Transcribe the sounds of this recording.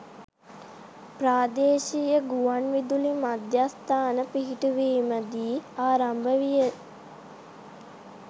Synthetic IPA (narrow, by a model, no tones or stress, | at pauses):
pɾaːd̪eːʃijəɡuʋanʋid̪ulimad̪jast̪aːnəpiɦiʈuʋiːməd̪iːaːɾambəʋijə